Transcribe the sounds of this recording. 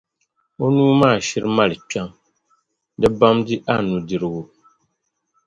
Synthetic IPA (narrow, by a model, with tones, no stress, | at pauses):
o˦nuː˦maː˦˨ʃi˦ɾma˦lɨ˨k͡pa˦ŋ | dɨ˦ba˦mdi˦ʔa˦˨nu˨di˨ɾɨ˦ɡo˦